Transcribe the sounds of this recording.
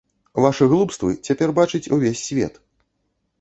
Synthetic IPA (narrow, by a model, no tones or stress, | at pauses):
vaʂɨɣlˠupst̪vɨ̰t͡sʲapʲɛrbat͡ʂɨt͡sʲuvʲesʲːvʲɛ̰t̪